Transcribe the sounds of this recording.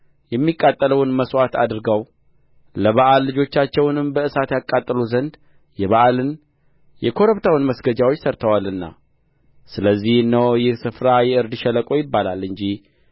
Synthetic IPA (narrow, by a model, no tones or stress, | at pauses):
jɛmːikʼːat̪ʼːələwnməswat̪ʰa̰d̪ɨɾɨɡaw | ləβaʔalːɨd͡ʒo̞t͡ʃːat͡ʃːɛwnɨmbəʔɨsat̪jakʼːat̪ʼːəluzənd̪ | jɛβaʔalɨn | jɛkʰo̞ɾəβt̪ʰawɨnməsɡəd͡ʒawo̞t͡ʃːsəɾt̪ʰəwalɨnːa̰ | sɨləzːihɨnːəwjɪhsɨfɾajɛʔɨɾd̪ɨʃɛləkʼo̞jɪbːalalɨɲd͡ʒih